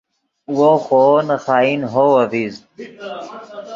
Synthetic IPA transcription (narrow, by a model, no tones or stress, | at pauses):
woːxoːnɐxaːinɦoːɐviːz